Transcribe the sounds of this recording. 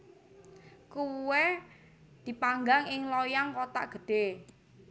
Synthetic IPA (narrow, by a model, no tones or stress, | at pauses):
kuwɛ | d̪̥i̤paŋɡaŋɪŋlojaŋkot̪a̰ʔɡ̥ə̤ɖ̥e